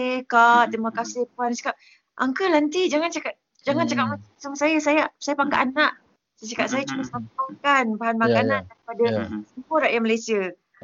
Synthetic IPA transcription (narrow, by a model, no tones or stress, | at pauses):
ekat̪imakasɪhpuansḁkap̚ | ʔaŋkəlant̪id͡ʒaŋant͡ʃakaʔ̚ | d͡ʒaŋant͡ʃakaʔ̚masamasaŋsajasajaʔsajapaka̰ʔanaʔ | sat͡ʃakaʔ̚sajət͡ʃumasnampaŋkanbaɦanmakanandaɾipadasəmuəɾaʔjaməlajsiə